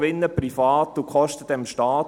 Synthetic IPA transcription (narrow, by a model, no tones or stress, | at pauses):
ʋɪnːəpɾifɑːt̪ːukχɔʃtədɛmʃtɑːt